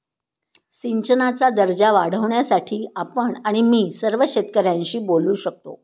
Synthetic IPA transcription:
ɕiɲt͡ɕənat͡sad̪əɾd͡ʑaʋaɽ̤əʋɳjasaʈʰiːapəɳaɽ̃imiːsəɾʋəɕet̪kəɾjãɲɕiːboluːɕək̚t̪o̰

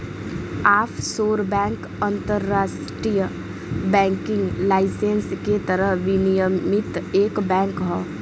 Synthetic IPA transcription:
aːpʰsoːɾbɛ̃ːŋk | ə̃nt̪əɾːaːsʈɾij | bɛ̃ːŋkɪ̃ŋɡlaːɪsensket̪əɾəɦʋɪnijəmɪt̪eːkbɛ̃ːŋkɦoː

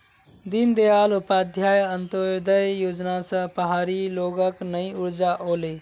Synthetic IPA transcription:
d̪ind̪ejalupad̪ʱjajənt̪od̪əjjoːd͡ʒnasə̃pəɦaɾiloɡəknəĩuɾd͡ʒaʔole

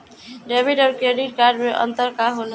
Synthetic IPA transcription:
ɖebʱiɖɔːɾkeɖiʈkaɾɖmeʔə̰̃nt̪əɾkaɦolɦ

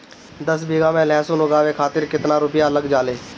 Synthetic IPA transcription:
d̪əsbʱiːɡãːmɛ̃ːlɛ̃ːsõːnoɡaːʋeːkʰaːt̪ɪɾkɪt̪nãːɾʊpɪjaːələɡd͡ʒaːleː

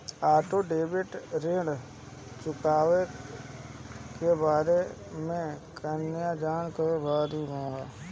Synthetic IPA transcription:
aːʈoɖeːbɪʈɾẽːɽ | t͡ʃʊkaːʋe | kebaːɾe | mẽkənɪjad͡ʒaːɳkəebaːɾũɡõɦɛː

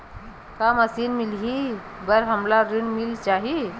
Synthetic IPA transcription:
kaməsinmilɦi | bəɾɦəmlaɾiɳmilt͡ʃaɦi

